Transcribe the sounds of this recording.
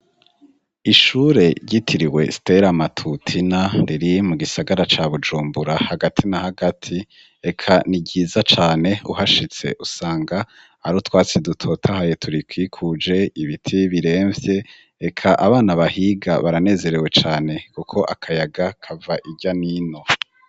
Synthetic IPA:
iʃuːɾe̞ɾɟitʰiɾiwe̞̰si̥te̞ɾamatʰutʰinaɾiɾimuɡisaɡaɾat͡ʃaβud͡ʒuːmbuɾahaɡatʰinahaɡatʰi | e̞kʰaniɟiːzat͡ʃaːne̞uhaʃit͡se̞̰ʔusaːŋɡa | aɾutwaːt͡sidutʰo̞tʰahaje̞tʰuɾikwiːkʰud͡ʒe̞iβitʰiβiɾe̞ːɱvje̞ | ekʰaʔaβaːnaβahiɡa̰βaɾane̞ːze̞ɾe̞we̞t͡ʃaːne̞kukʰo̞ʔakʰajaɡakʰavaʔiɟaniːno̞

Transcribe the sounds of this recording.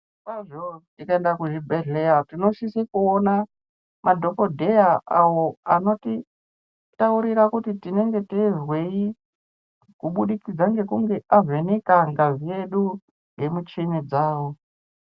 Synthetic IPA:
kwaʐotikaendakuʐibʱeɮeatinoʃisekuona | madʱo̞ko̞dʱe̞jaawoano̞ti | tauɾiɾakutitine̞ŋɡe̞tezwe̞i | kuɓuɗikid͡zaŋɡe̞kuŋɡe̞ʔavenekaŋɡazije̞ɗu | ŋɡe̞mut͡ʃinid͡zaːwo

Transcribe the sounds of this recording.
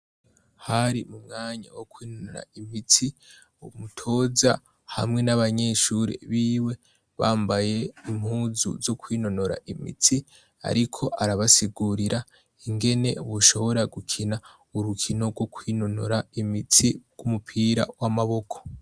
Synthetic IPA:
haɾimumŋaːɲa̰wokwiːnono̞ɾa̰imit͡si | umutʰo̞za | ha̰mŋe̞naβaɲe̞ʃuɾḛβiːwe̞ | βaːmbaje̞im̥huːzṵzo̞kwiːno̞no̞ɾa̰ʔimḭt͡si | a̰ɾikʰo̞ʔaɾaβasiɡuɾiɾa | iŋɡe̞ne̞̰βuʃo̞βo̞ɾaɡukʰina | uɾukʰino̞ɾɡo̞kwiːno̞no̞ɾaimit͡siɡ̥umupʰiɾa̰wamaβo̞kʰo̞̥

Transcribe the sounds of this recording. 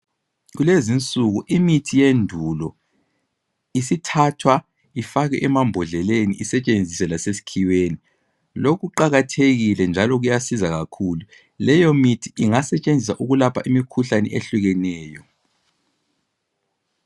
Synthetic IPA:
ɣulezint͡sʼuɣuʔimitʰijendʱulɔ | isitʰatʰwa | ifaɣɛ̰ʔɛmambʱɔɮɛlenḭʔisɛt͡ʃʼend͡zʱisɛlasesi̥kʰiweni | lokʰuǃaɣatʰeɣilɛnd͡ʒʱalɔɣujasizaɣakʰuːlu | lɛjɔmitʰiiŋasɛt͡ʃʼend͡zʱisaʔuɣulapʰaʔimikʰuɬanɛ̰ʔeɬuɣɛnɛːjɔ

